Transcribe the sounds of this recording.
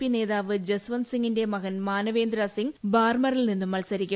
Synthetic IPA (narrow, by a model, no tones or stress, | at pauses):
ineːðaːʋɨd͡ʑɐsʋɐnsiŋɡinde̞mɐɣɐnmaːnɐʋe̞ːnd̪ɾaːsiŋɡbaːrmɐrilninːumːɐlsɐɾikʲːu